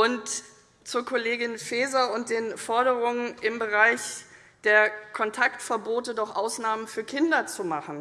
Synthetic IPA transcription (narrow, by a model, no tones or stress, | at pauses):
ʔʊnt | t͡suːɐkʰoleːɡɪnfeːzɐʊnt̚d̥eːnfɔɐɾəʁʊŋənʔɪmbəʁaɪç | d̥eːɐkʰɔntʰaktfɛɐboːtədɔχʔaʊsnaːmənfyːɐkʰɪndɐt͡sumaχn̩